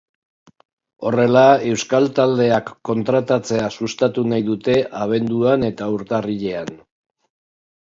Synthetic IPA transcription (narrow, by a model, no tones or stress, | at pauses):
o̞re̞lae̞wskalt̪ald̪e̞akːo̞nt̪ɾat̪at͡se̞asust̪at̪unajðut̪e̞ʔaβ̞e̞nd̪uane̞t̪auɾt̪ariʎe̞an